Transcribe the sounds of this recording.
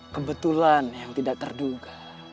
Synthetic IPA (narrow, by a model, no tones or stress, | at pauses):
kəbət̪ulanjaŋt̪idak̚t̪ərduɡa